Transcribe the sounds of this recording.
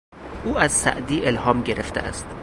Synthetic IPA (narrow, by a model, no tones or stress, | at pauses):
ʔuːæzsæ̰ʔd̪iːʔelhɒːmɟeɾeft̪ʰeʔæ̰st̪